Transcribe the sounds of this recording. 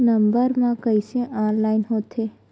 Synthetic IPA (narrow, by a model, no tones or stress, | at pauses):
nəmbəɾmãkəisẽʔɔːnlaːinɦot̪ʰe